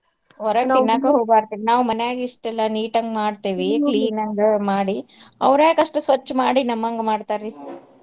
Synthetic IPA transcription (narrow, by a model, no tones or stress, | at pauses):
ɔɾɐkinːaːkeɦoːbaːɾt̪iːʋinaːʋumɐnejaːɡiːʂʈɛlːɐniːʈɐŋɡemaːɽt̪iːʋikliːnɐŋɡemaːɽiɐ̰ʋɾeːkɐʂʈusʋɐt͡ʃːmaːɽinɐmːɐŋɡemaːɽt̪aːɾi